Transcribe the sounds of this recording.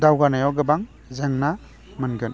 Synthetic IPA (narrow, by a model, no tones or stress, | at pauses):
dawɡanajawɡɯbaŋ | zeŋna | mɯnɡɯn